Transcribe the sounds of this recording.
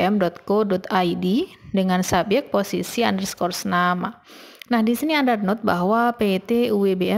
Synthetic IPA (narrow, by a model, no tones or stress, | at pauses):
ɛmdɔt̪̚kodɔt̪ajdidəŋansabjɛk̚t̪̚posisiandərskɔrsnama | nahdisiniandarnɔt̪̚baɦwapet̪euwebeɛ